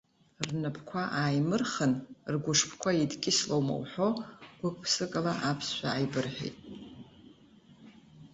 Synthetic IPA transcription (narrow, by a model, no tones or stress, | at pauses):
rnɨpʰkʷʰaʔaːjmɨrχənrɡʷʊʂpʰkʷʰaidkʲʼɪslowmo̰wħo̞ɡ̥ʷʊkʷʰʼpʰsɨkʼalaʔapʰsʃʷᶣaːjbɨrħḛjtʼ